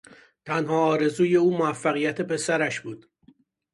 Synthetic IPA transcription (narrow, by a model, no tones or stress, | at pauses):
t̪ʰænhɒːɒːɾe̞zuːje̞uːmoæfːæɣijæt̪ʰe̞pe̞sæɾæʃbuːd̪̥